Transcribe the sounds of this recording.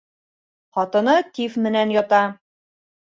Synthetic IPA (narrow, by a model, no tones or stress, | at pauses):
χɒt̪ɤ̆nɤt̪ifmɘ̆nænjɒt̪ɑ